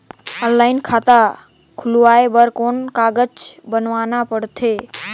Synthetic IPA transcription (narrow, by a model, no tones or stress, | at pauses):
ənlaɪnkʰat̪a | kʰuluaebəɾkonkaɡət͡ʃbənʋanapəɽt̪ʰe